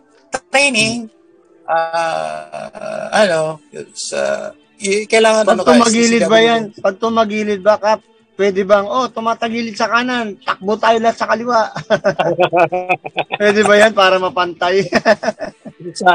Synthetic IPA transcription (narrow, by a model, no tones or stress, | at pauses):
t̪t̪ɾɛjnɪŋ | ʔa | ɐnosa̰ | kɐjlaːŋɐnpɐɡ̪t̪ʊmɐɡiːlɪt̪bɐjanpɐɡ̚t̪ʊmɐɡiːlɪt̪̚bɐkap | pːwɛːd̪ɛbɐŋo̞t̪ʊmaːt̪ɐɡiːlɪt̪̚sɐkanant̪ɐk̚bot̪aːjolɐhat̪sɐkɐlɪwaʔ | wɛːd̪ɛbɐjanpaːɾɐmɐpɐnt̪aj